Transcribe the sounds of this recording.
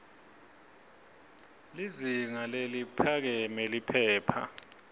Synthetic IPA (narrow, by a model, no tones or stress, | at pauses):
liziŋalelipʰak̬ɛmelipʰɛːpʰa̰